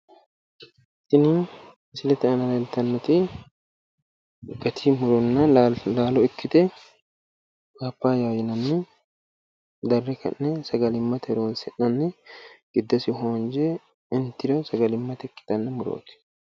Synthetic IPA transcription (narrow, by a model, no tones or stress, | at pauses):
t̪ːɪnɪ | sɪlɛt̪ɛɐnɐlɐlt̪ɐnːɛt̪ɪ | ɡɐt̪ʰimʊɾɔnːɐlaːlɔɪkʰːɪt̪ɛ | kapːaːjaːjɪnɐnːɪ | d̪ɐrːɛkɐ̰nːɛsɐɡɐlɪmːɐt̪ɛɾoːnsɛᶑɐnːɪɡ̥ɪd̪ːɐsɪɦoːnd͡ʒɛ | ɪnt̪ɪɾosɐɡɐlɪmːɐt̪ɛɪkːɪ̥t̪ɐnːɐmʊɾo̰ːt̪ɪ̥